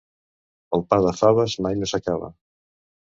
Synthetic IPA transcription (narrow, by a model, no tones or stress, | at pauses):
əlˠpaðɐfaβəzmajnosakaβa̰